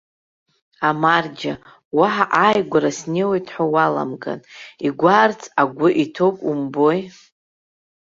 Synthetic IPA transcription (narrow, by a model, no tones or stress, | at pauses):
amard͡ʒa | waħaʔajɡʷaɾasnewejtʰʼħʷawala̰mɡʼa̰niɡʷart͡sʰaɡʷʊʔitʰo̞kʼumbo̞j